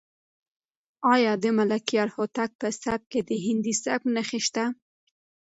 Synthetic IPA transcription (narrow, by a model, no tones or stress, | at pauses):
ɑjɑd̪əmalakijɑɾhot̪ak̚pəsab̚ked̪əɦɪnd̪isaknəxeʃt̪a